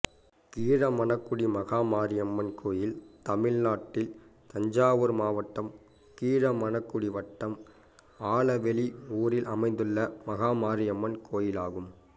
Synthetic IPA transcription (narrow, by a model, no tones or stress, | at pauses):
kiːɻɐmɐnɐkːɯɽimɐɣaːmaːɾɪjɐmːɐnkʰoːjɪlt̪ɐmɪɻnaːʈːɪlt̪ɐɲd͡ʒaːʋɯɾmaːʋɐʈːɐm | kiːɻɐmɐnɐkːɯɽiʋɐʈːɐm | aːɭɐʋɛɭiuːɾɪlʔɐmɐɪnd̪ɯɭːɐmɐɣaːmaːɾɪjɐmːɐnkʰoːjɪlaːɣɯm